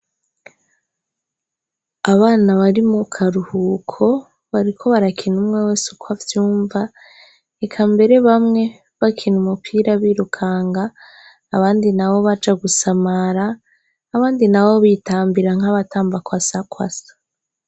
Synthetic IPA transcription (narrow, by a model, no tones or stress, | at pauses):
aβaːnaβaɾimukʰaɾuhukʰo̞ | βaɾikʰo̞βaɾakʰinumŋewesukwavjuːɱva | ekʰambe̞ɾe̞βamŋe̞ | βakʰinumupʰiːɾaβiːɾukʰaːŋɡaː | βaːndinawo̞βad͡ʒaɡusamaɾaː | βaːndinawo̞βitaːmbiɾaŋ̥aβataːmbakwasakwa̰sḁ